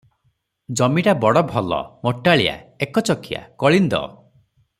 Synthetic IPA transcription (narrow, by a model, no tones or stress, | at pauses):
d͡ʒɔmiʈabɔɽɔbʱɔlɔ̰mɔʈːaɭija̰ekɔt͡ʃɔkʰija̰kɔɭind̪ɔ̰